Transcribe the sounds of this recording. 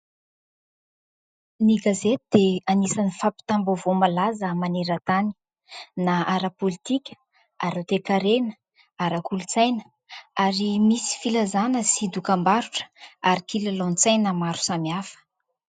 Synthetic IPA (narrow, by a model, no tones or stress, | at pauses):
niɡazet̪ud̪̥eanisanifapi̥t̪ambovomalazəmaneɾət̪ani̥ | naaɾapolit̪ikʲə̥ | aɾat̪ekaɾenə̥ | aɾəkulut͡sajnə | aɾimisi̥filazanəsid̪ukambaɾuʈ͡ʂə̥aɾikilalont͡sajnamaɾu̥samiafə̥